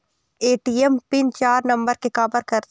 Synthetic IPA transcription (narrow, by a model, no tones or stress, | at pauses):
eːʈiːɛmpɪnt͡ʃaːɾnɐ̃mbəɾkekaːbəɾkɐɾt̪